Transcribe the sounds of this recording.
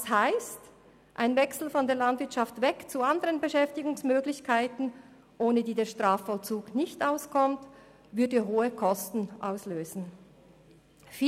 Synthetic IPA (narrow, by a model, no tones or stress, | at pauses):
shaɪst | ʔaɪnvɛksl̩fɔndeːɐlandvɪɐtt͡ʃʃaftvɛkt͡suandəʁənbəʃɛftɪɡʊŋsmøːɡlɪçkʰaɪtn̩ | ʔoːnədiːdeːɐʃtʁ̥aːfɔlt͡suːɡnɪçtʔaʊskʰɔmt | vʏɐdəɦoːəkʰɔstn̩ʔa̰ʊsløːzn̩ | fiː